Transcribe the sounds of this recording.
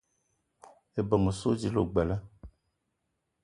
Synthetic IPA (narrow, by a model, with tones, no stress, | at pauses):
e˨bɔ˨ŋə˨so˦d͡ʒi˨˦lo̰˨ɡ͡bɛ˨la˦